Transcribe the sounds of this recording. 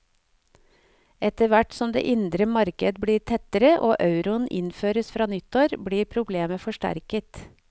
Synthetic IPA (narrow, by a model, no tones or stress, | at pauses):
ɛt̪əʋæʈsɔmd̪ḛːʔɪnd̪ɾəmɑɾkəd̪bɽiːɾt̪ʰɛt̪əɾəʔo̰ːʔɑʉɾʊnʔɪnføːɾəsfɾɑːnʏt̪oːɾbɽiːɾpʰɾʊbleːməfɔʂʈæ̰ɾkət̪